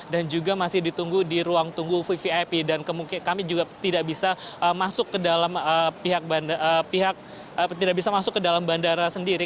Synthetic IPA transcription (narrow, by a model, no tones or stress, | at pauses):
dand͡ʒuɡamasɪhdit̪uŋɡudiɾuaŋt̪uŋɡufifiapidankəmukikamid͡ʒuɡat̪idaʔbisaʔəmasʊkːədalaməpiɦak̚bandəpiɦak̚ | ət̪idaʔbisamasʊkːədalambandaɾasəndiɾi